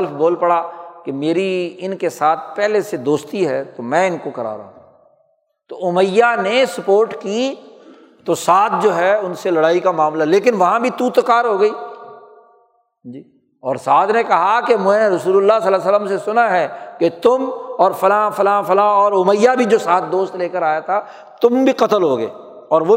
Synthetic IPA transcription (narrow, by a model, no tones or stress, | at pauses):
ləfboːlpɐɽakemeːɾiɪnkesaːt̪̚ʰpɛɦlesed̪oːst̪iɦɛːt̪omɛ̃ːɪnkokɐɾa̰ːɾa̰ɦɦũ | t̪oʊməjːanesɐpoːɾʈki | t̪osaːt̪̚ʰd͡ʒoːɦɛʊnselɐɽaːikamaːmlaɦɛleːkɪnʋɐɦãbʱit̪ut̪ʊkaːɾɦoːɡɐiː | d͡ʒi | ɔːɾsaːd̪nekɐɦakemɛ̃ɾɐsuːlʊlːasɐlaːs̬ələmsesʊnaɦɛːket̪ʊmɔːɾfɐlãːfɐlãːfɐlãːɔːɾʊməjːabʱid͡ʒoːsaːt̪̚d̪oːst̪leːkəɾaːjat̪ʰa | t̪ʊmbʱiqɐt̪əlɦoːɡɐḛː | ɔːɾʋo